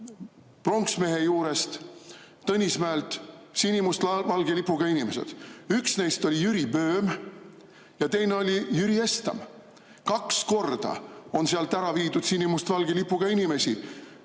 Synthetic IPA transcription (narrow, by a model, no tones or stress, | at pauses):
pro̞ŋksme̞ɦejuːɾe̞st̪ | t̪ɤnʲismæelt̪ˑsinʲimust̪vɑlɡelipːˑuɡ̥ɑinime̞se̞̰d̪̥yksne̞jst̪o̞lʲijyɾibø̞ːm | jɑt̪e̞jne̞o̞lʲijyɾie̞st̪ɑ̰m | kɑksko̞rd̪̥ɑ̰o̞nseɑlt̪ːæɾɑviːd̪ud̪̥sinʲimust̪vɑlɡ̥elipːˑuɡ̥ɑinime̞si